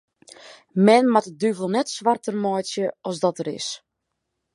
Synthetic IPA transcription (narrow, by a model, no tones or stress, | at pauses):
mɛnmatədyvəlˠnɛtsʋartərmɔjtsjəɔsdɔtəɾɪ̰s